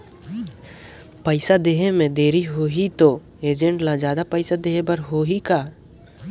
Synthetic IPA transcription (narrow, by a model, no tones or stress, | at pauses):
pəɪsad̪eːɦemẽd̪eːɾiɦoːɦit̪o | eːd͡ʒẽɳʈlad͡ʒjaːd̪apəɪsad̪eːɦebəɾɦoɦikaː